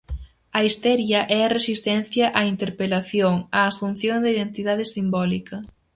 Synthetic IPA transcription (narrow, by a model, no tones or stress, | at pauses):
ɐist̪ɛɾjɐʔɛɐresist̪ɛnθjɐʔɐint̪eɾpelaθjoŋɐːsun̟θjoŋd̪ɐiðent̪iðaðɪsimbɔlikɐ